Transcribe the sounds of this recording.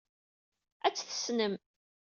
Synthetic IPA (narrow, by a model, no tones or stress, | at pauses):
æt͡sːθə̥snəm